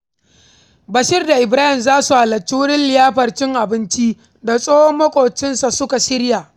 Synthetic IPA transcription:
bɐ˨ʃɪ˦rda˨ʔɪ˨bɾaː˦hɪ˨mzaː˦su˨ha˨lɐ˨t͡ʃːi˦wʊ˦ɽɪ˦nlɪ˨jaː˦ɸɐ˨rt͡ʃɪ˦ŋʔa˨bɪ˦nt͡ʃi˦ | da˨sʼoː˦hɔ˦mːɐ˦kʷʼoː˨t͡ʃɪ˦nsa˨sʊ˦ka˨sɪ˦ɾjaː˨ʔ

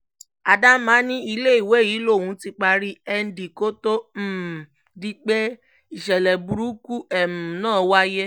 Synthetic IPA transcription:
a˨da˦mã˨˦nĩ˦i˧le˦i˦˨we˨˦˨jiː˨˦lo˦˨wũ˨˧˦ti˦k͡pa˧ɾi˦ɛ˧n̩˦di˨ko˦to˦m̩˨ | di˦k͡pe˦ | i˨ʃɛ˨lɛ˨bu˨ɾu˨˦ku˦ɛ˨mũ˨nãː˦˨wa˦je˦

